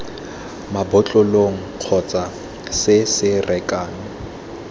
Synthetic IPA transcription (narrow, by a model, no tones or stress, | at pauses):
mabʊt͡ɬʼʊloŋ̩q͡χʰɔt͡sʼa | sɪsɪrɛkʼaːnɔ